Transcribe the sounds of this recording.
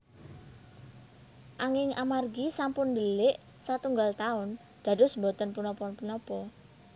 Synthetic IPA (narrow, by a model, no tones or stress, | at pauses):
ʔaŋɪŋamarɡisampʊnd̪əlɪʔ | sat̪uŋɡalt̪aʊn | d̪̥ä̤dʊ̤smbot̪ɔnpunɔpɔnpunɔpɔ